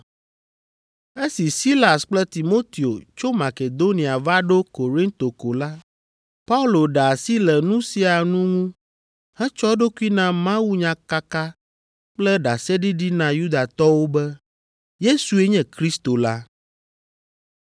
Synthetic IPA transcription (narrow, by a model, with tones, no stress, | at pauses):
e˦si˨si˦la˨sk͡plɛ˦t̪i˨mo˦t̪i˨o˨t͡ʃo˦ma˨ke˨d̪o˦nĩ˨a˨va˦ɖo˦ko˨ɾĩ˦nt̪o˨ko˨la˦ | pa˦u˦lo˨ɖa˨si˦lɛ˨nũ˦si˨a˨nũ˦ŋũ˦ | hɛ˦t͡ʃɔ˦ɖo˦ku˦i˦nã˦mã˦wu˦ɲã˨ka˦ka˦ | k͡plɛ˦ɖa˨sɛ˦ɖi˦ɖi˦nã˨ju˦d̪a˨t̪ɔ˦wo˦bɛ˦ | je˦su˨e˦ɲɛ̃˦kɾi˦st̪o˨la˦